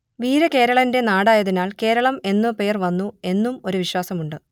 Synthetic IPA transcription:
ʋiːɾɐke̞ːɾɐɭɐnde̞naːɽaːjɐðinaːlke̞ːɾɐɭɐme̞nːɨpe̞ːrʋɐnːue̞nːumo̞ɾuʋiɕwaːsɐmuɳɖɨ

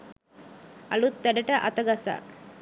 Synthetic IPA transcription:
ɐlut̪ːæɖəʈəʔɐ̰t̪ɐɡasa̰ː

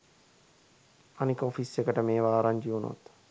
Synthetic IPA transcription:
anikəofisekəʈəmeːʋaːɾaɲd͡ʒiuno̰t̪

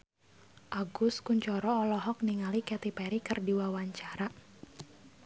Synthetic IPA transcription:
ʔaɡuskuɲt͡ʃɔɾɔːlɔɦɔk̚niŋalikɛt̪ipɛɾikɨrdiwawaɲt͡ʃaɾa

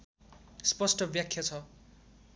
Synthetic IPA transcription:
spʌsʈʌbjakʰjat͡sʰʌ

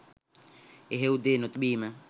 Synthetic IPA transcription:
eɦeud̪enot̪ɓiːma

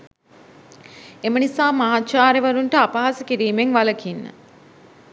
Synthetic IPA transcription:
emənisaːmaɦatt͡ʃaːɾeʋaɾuɳʈəapaɦasəkiɾiːmeŋʋaləkʰinːə̰

